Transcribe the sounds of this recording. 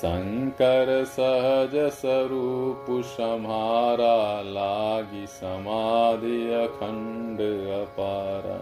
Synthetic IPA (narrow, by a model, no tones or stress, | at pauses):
sɐ̰ŋkɐɾɐsɐɦɐd͡ʒɐsɐɾuːpuʃɐmaːɾaːlaːɡisɐmaːd̪ijɐkʰɐɳɖɨɐpaːɾa̰ː